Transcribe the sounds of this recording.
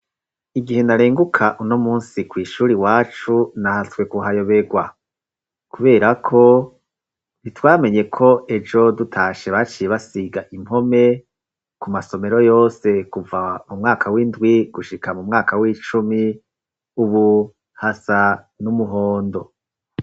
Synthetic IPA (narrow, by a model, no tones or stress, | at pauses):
iɡihe̞naɾeːŋɡukʰaʔuno̞muːnsikwiːʃuːɾiwaːt͡ʃunahaswe̞kuɦajo̞βe̞ɡwa | kuβe̞ːɾakʰo̞ | nitwaːme̞ɲe̞kʰo̞e̞d͡ʒo̞dutʰaːʃe̞βat͡ʃijeβasiɡaʔim̥ho̞me̞ | kumaso̞me̞ɾo̞jo̞ːse̞kuvamumŋaːkʰawindɡwiɡ̥uʃikʰamumŋaːkawiːt͡ʃumi | uβu | hasa | numuɦo̞ːndo̞